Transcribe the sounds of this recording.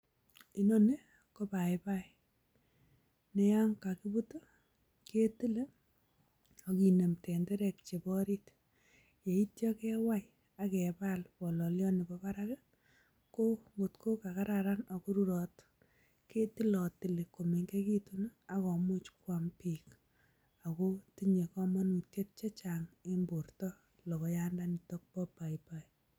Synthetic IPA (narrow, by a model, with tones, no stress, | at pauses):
i˦nɔ˦ne˦ | ko˦pa˨ɪpa˦i | ne˦ja˦ŋka˨ki˦bu˦to˦ | ke˦ti˦le˦ | o˨ki˨ne˨mtɛ˨ndɛ˦ɾɛ˨kt͡ʃe˨bɔ˦ɾi˦t | je˨i˦tjɔ˦kɛ˦wa˦j | a˦kɛ˨pa˦lpɔ˨lɔ˨ljɔ˦ne˨bɔ˦pa˦ɾa˦ke˦ | ko˦ŋɡo˨tko˦ka˨ka˦ɾa˨ɾa˦na˨ko˦ɾu˦ɾɔ˨t | ke˦ti˦lɔ˨tɪ˨le˨ko˨me˨ŋɡe˦ki˦tu˦n˦a˨kɔ˨mo˦t͡ʃkwa˨mpi˨k | a˨ko˦ti˦ɲe˨kɔ˦ma˦nu˨tje˦t̚t͡ʃa˦t͡ʃa˨ŋe˦mbo˨rtɔ˦ | lɔ˨kɔ˨ja˦nda˦ni˨tɔ˦k̚pɔ˦pa˨ipa˨i